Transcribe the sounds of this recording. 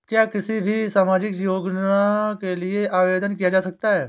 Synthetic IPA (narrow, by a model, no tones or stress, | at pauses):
kjaːkɪsibʱisaːmaːd͡ʒɪkjoːɡnakelieʔaːʋeːd̪ənkijad͡ʒaːsɐk̚t̪aɦɛː